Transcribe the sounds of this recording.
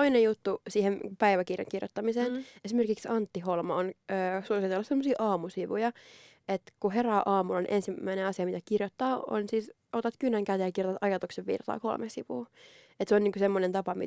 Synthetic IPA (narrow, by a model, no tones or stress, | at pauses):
oinejjut̪ːusiːhenpæiʋækirjɑ̰ŋkirjo̰t̪ːɑmiseːnesimerkiksɑnt̪ːiholmɑonøːsuosit̪elːɑssemːosiːʔɑːmusiʋujɑ | et̪kuɦerɑːʔɑːmulɑniʔensimːæineɑsiɑmit̪ækirjot̪ːɑːo̰nsiːs | ot̪ɑt̪kynːæŋkæt̪ejɑkirjot̪ɑt̪ɑjɑt̪ukseʋʋḭrt̪ɑ̰ːkolmesiʋṵː | et̪seonniːŋkusemːonent̪ɑpɑmi